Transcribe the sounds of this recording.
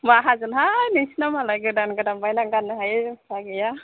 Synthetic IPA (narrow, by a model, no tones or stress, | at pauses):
maɦazɯnɦanisnamalajɡɯdanɡɯdabajnaŋɡanaɦajsaɡɛja